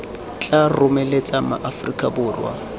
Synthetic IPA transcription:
t͡ɬʼarʊmelet͡sʼama̰ʔafrikʼabʊːrwa̰

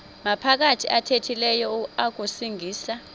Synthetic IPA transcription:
mapʰak̬atʰiʔatʰetʰilɛjɔuak̬ʼusiŋʱiːsa

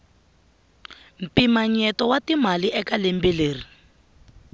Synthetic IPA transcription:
m̩pimaɲɛtɔwatimaliɛkalembileːri

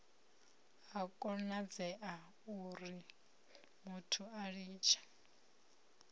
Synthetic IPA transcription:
ɦakʼɔnad͡zɛʔa | uɾi | mutʰuaɺiːt͡ʃʰḁ

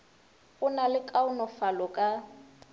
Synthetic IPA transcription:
ʊnalɪkʼaʊnɔfalɔkʼa

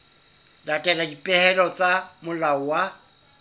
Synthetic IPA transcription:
datʼɛladipʼɛhɛlɔt͡sʼamʊlaɔwa

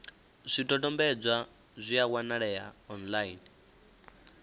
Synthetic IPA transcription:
z̥ʷitʼɔtʼɔmbɛd͡zʷa | zʷiak̬wanaɺɛjaɔnlain

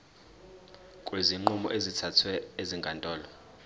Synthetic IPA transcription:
kʼweziŋ͡ǃumɔ̰ʔezitʰatʰwɛeziŋɡʱantʼɔːlɔ

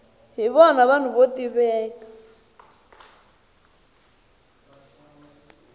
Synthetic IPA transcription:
ɦiβɔnaβanuβotʼiβɛːka

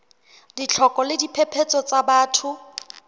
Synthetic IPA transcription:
dit͡ɬʰɔkʼɔlɪdipʰepʰet͡sʼɔt͡sʼabaːtʰʊ

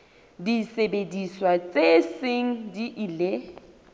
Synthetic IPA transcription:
disebediswat͡sʼeseŋ̩diʔile

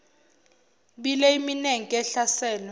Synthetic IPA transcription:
ɓilɛimineŋikʼɛɬasɛːlɔ

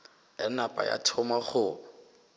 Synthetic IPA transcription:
ɛnapʼa̰ja̰tʰɔmaχʊ

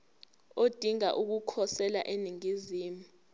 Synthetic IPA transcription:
od̥ʱiŋa̰ʔuk̬ukʰɔsɛla̰ʔeniŋiziːmu

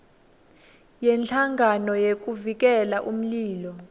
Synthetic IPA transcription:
jɛnɬʰaŋɡʱanɔjek̬ʼuvik̬ɛlaʔum̩liːlɔ

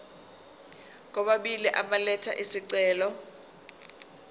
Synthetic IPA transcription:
k̬ʼɔɓaɓiliʔaɓalɛtʰa̰ʔisiǀɛːlɔ

